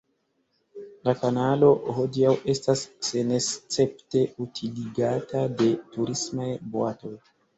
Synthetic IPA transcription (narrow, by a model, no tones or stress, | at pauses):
lakanalo̞ho̞diawe̞stasːe̞nest͡se̞pte̞utʰiliɡatade̞tuɾismajboato̞j